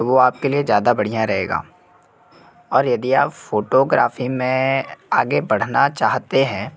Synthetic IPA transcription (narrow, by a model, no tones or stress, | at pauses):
ʋoaːp̚keliezjaːd̪abɐɽ̤ijãɾɐɦeːɡa̰ː | ɔːɾjɐd̪iaːpfoːʈoɡɾa̰ːfimẽaːɡebɐɽ̤nat͡ʃaːɦt̪eɦɛ̃ː